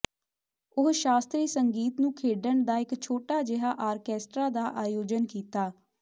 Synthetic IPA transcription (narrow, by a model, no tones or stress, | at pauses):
ʊɦʃaːst̪ɾiːsəŋɡiːt̪nũːkʰeːɖəɳd̪aːɪkt͡ʃʰoːʈaːd͡ʒɪɦaːʔaːɾkɛːsʈɾaːd̪aːʔaːjoːd͡ʒənkiːt̪aː